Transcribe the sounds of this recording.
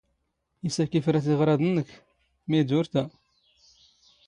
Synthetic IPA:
isækːifɾæθiʁɾˤɑd̪ənːək | mæjd̪uɾt̪æ

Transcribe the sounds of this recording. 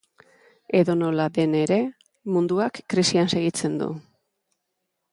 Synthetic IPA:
e̞ðo̞no̞laðe̞ne̞ɾe̞ | mund̪uakːɾisianse̞ɣit͡se̞nd̪ṵ

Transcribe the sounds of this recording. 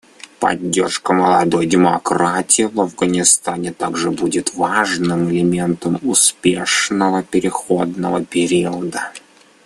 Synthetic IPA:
pɐ̰dʲːe̞rʂkəməlˠɐd̪o̞jdʲɪmɐkɾatʲɪɪvɐvɡənʲɪst̪anʲɪt̪aɡʐɨbudʲɪt̪vaʐnɨmɪlʲɪmʲe̞nt̪əmʊspʲe̞ʂnəvəpʲɪɾʲɪxod̪nəvəpʲɪɾʲiəʊd̪ə

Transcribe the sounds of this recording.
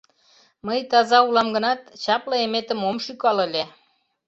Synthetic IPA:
məjt̪ɑzɑulˠɑmɡə̆nɑt̪t͡ɕɑplɤemet̪ə̆momʃykɑlĕlʲe

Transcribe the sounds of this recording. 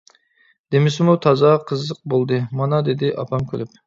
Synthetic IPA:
d̪̥emɪsɪmut̪ʰɑzɑqʰəzːəq̚bolˠd̪ɨmɑnɑd̪ed̪ɪʔɑpʰɑmkʲʰø̰lyp̚

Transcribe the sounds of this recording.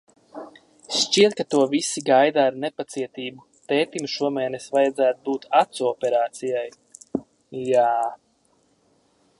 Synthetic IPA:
ʃt͡ʃiɛt̪̚kat̪uɔvisiɡajd̪aːɾnepat̪siɛt̪iːbu | t̪ɛːt̪imʃuɔmɛːnesvajad̪zæːt̪̚buːt̪ʰat̪suɔpɛɾaːt̪sijaj | jaː

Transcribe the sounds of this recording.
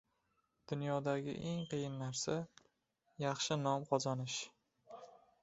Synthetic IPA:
d̪̥ʊnjɒd̪aɡʲɪ̰ʔeŋqɨjɪnːaɾsa | jɑχʃɪnɒmqʰɒzanɪʃ

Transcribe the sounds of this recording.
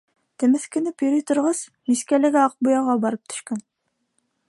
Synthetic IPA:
t̪ʰɘ̆mɘ̆θkɘ̆nɘpjɵ̆ɾɘjt̪ʊ̆ɾʁɤz̥ | miskælɘ̆ɡʲæɑq̚bujɑʁɑbɑɾɤp̚t̪ʰɵ̥ʃkæn

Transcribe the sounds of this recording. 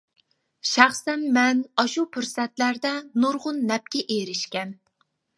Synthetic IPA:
ʃæχsɛnmɛnɑʃupʰʊɾsɛt̪læɾd̪ɛnuɾʁʊnːɛp̚kʲɛʔeɾɪʃkʲɛn

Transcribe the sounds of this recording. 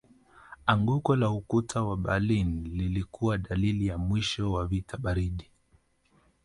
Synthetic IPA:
aŋɡukɔlaukutʰawaɓalinlilikuwaɗalilijamwiʃɔwavitaɓaɾiɗi

